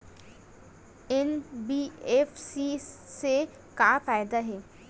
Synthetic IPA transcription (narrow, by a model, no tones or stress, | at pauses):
enbiːefsise | kaːfaːjd̪aɦeː